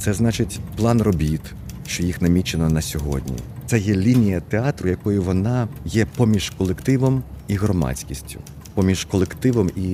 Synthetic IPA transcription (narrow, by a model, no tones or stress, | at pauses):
t̪sɛznɑt͡ʃɪtʲplˠɑnrɔbʲit̪ | ʃt͡ʃɔjixnɐmʲit͡ʃenɔnɐsʲɔɦɔ̰dʲnʲḭt̪sɛjɛlʲinʲijɐt̪eɑt̪ɾʊjɐkɔjʊʋɔnɑjɛpɔmʲiʒ̥kɔlˠekt̪ɪʋɔmiɦrɔmɑ̰t͡sʲkʲisʲtʲʊ̥̰ | pɔmʲiʒkɔlˠekt̪ɪʋɔmi